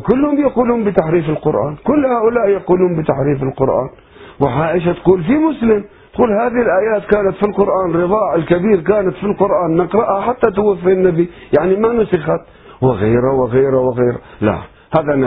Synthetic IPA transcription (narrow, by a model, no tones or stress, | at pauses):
kʊlːhʊmbjaquːluːmbɪt̪aħɾiːfɪlqʊɾʔa̰ːnkʊlːhaːʔʊlaːʔjaquːluːmbɪt̪aħɾiːfɪlqʊɾʔa̰ːn | wɪʕaːʔɪʃ̬at̪quːlfimʊslɪm | t̪quːlhaːðɪɪlʔaːjaːt̪kaːnat̪filqʊɾʔaːnɾɨðˤɑːʕɪlkabiːɾkaːnat̪filqʊɾʔaːnːɪqɾɑʔhaħat̪ːat̪ʊwafːinːabijaʕnimanʊsɪxat̪ | wɪɣeːɾawɪɣeːɾawɪɣeːɾa̰la̰ | haːðana